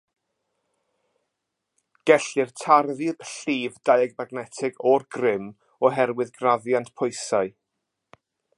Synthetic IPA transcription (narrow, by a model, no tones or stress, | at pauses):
ɡ̥ɛɬɪrtʰarðiðɬiːvdajɛɡmaɡnɛtʰɪɡɔrɡrɪm | ɔɦɛɾwɪðɡraðjantpʰɔjsaɨ